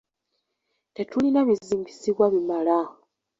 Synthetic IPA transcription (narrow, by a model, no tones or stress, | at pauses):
te̞tulinaβiziːɲɡisiβwaβimala